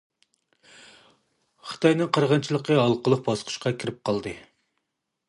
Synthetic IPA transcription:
χɨ̥t̪ʰɑjnɨŋqʰɾʁɑnt͡ʃʰilˠəqʰəɑlˠqəlˠəq̚bɑsqʰʊ̥ʃqʰɑkʲʰiɾɪp̚qʰɑlˠd̪ɨ

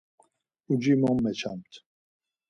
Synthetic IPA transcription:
ud͡ʒimɔmːɛt͡ʃʰamt̪ʰ

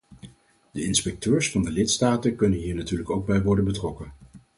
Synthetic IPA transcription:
d̥əɪnspɛk̚tøːɹsfɑndəlɪtstaːtəkɵnənɦiːɹnatyːɹləkowɡ̚bɛjʋɔɹdənbətrɔkən

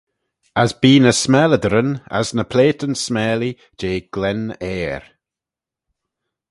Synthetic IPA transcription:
əzbiːnəsmɛləd̪əɾəna̰znəpʰl̥eːtənsmɛːli | d͡ʒeːɡ̥lɛnɛːɹ

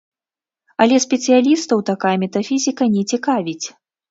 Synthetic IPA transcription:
ɐlʲɛsʲpʲɛt̪sɨjalʲist̪ɐwt̪akajɐmʲɛt̪afʲizʲikɐnʲɛt͡sʲikavʲit͡sʲ

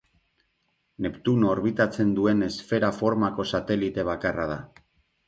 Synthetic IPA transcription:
ne̞pt̪uno̞ɾβit̪at͡se̞nd̪ue̞ne̞sfe̞ɾafo̞ɾmako̞sat̪e̞lit̪e̞β̞akaraða

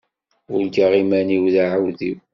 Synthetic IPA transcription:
ʊɾɡaʁimæniwðaʕawðiw

